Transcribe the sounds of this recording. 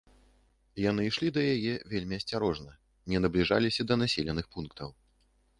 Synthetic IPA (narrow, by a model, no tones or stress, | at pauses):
jan̪ɨiʂlʲid̪ɐjajɛvʲelʲmʲiɐsʲt͡sʲaɾɔʐnɐ | nʲɛnɐblʲiʐa̰lʲisʲɐd̪ɐnasʲelʲɛnɨxpunkt̪ɐw